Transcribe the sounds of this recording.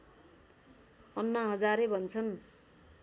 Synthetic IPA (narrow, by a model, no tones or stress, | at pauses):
ʌnːʌɦʌd͡zaɾebʱʌnt͡sʰʌn